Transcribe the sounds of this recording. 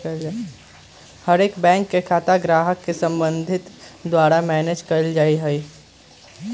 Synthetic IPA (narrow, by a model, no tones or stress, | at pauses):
həɾeːkbɛ̃ːŋkːekʰaːt̪aɡɾaːɦəkːesə̃mbə̃nd̪ʱɪt̪d̪waːɾamɛːneːd͡ʒkəɾld͡ʒaːiɦɛi